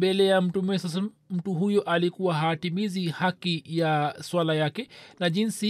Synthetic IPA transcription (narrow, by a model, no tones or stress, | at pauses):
bɛlɛjam̩tumɛsas̬a | m̩tuɦujɔʔalikuwaɦaːtimizihakijaswalajakɛnaʄinsi